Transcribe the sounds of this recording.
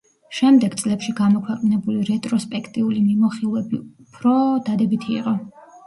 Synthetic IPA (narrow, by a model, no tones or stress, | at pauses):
ʃɛmd̪ɛɡt̪sʼlɛpʃiɡamɔkʰwɛqʼnɛbuliɾɛt̪ʼɾɔspʼɛkʰt̪ʼiulimimɔχilˠɛbḭupʰɾɔd̪̥ad̪ɛbit̪ʰḭːqʼɔ